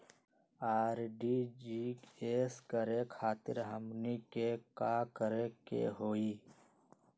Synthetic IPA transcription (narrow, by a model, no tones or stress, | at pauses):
aːɾɖiːd͡ʒiːkeːskəɾekʰaːt̪ɪ̰ɾɦəmnikekaːkəɾekḛɦoːiː